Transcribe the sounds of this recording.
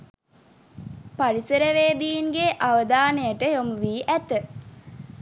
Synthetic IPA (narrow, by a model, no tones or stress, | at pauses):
paɾisəɾəʋeːd̪ijiŋɡeʔaʋəd̪aːnejəʈəjomuʋiːʔæt̪ə